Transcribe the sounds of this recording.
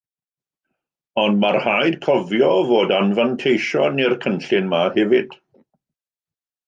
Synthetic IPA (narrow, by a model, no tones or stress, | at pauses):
ɔndmarhajd̥kʰɔvjɔvoːdanvantʰejʃɔnirkʰənɬɪnmahɛvɪd̥